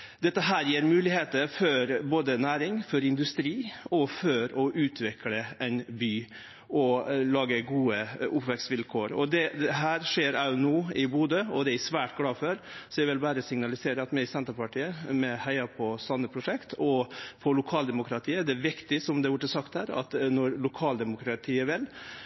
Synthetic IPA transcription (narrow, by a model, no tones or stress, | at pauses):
d̪ɛt̪ːəɦæːɾjiːɾmʉːlɪheːt̪əfɔɾboːd̪ənæːɾɪŋfɔɾɪnd̪ʉst̪ɾiːɔfœɾɔʔʉːt̪ʰʋɛkləʔɛnbyː | ɔlɑːɡəɡuːəʊpʋɛksʋɪlkʰoːɾɔ̰d̪ɛd̪ɛɦæːɾʂeːɾænuːɪbuːd̪əɔd̪ɛæsʋæːʈɡlɑːføɾsɔjɛɪʋɪlbæːɾəsɪŋnɑlɪseːɾəɑt̪mɛɪsɛnt̪əɾpɑʈʰiːəmɛhæɪɑpʰɔsɑnːəpʰɾʊʂɛkt̪ʰɔfʰɔlʊkʰɑːld̪ɛmʊkɾɑt̪ʰiːəd̪ɛæʋɪkt̪ɪsɔmd̪ɛʋʊʈːəsɑkt̪hæːɾɑ̰t̪nɔɾlʊkʰɑːld̪ɛmʊkɾɑt̪ʰiːəʋɪlː